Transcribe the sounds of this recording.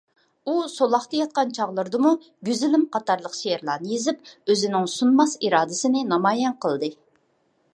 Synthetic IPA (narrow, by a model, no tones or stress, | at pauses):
usolˠɑχt̪ɑjɑt̪̚qɑnt͡ʃʰɑʁlˠəɾd̪ɨmu | ɡʲyzɪlɪmqʰɑt̪ɑɾlˠəqʃejɛɾlˠɑːnɨjezɪp̚øzɪnɪŋsunmɑsiɾɑːd̪ɪsɪnɪnɑmɑːjɛnqʰəlˠd̪ɨ